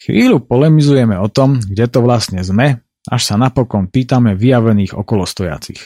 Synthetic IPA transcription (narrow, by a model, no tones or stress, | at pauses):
xʋiːʎupɔlɛmizujɛmɛɔt̪ɔmɡɟɛt̪ɔʋlasɲɛzmɛ | ʔa̰ʃsanapɔkɔnpiːt̪amɛʋijaʋɛniːɣɔ̰kɔlɔst̪ɔja̰t͡sḭx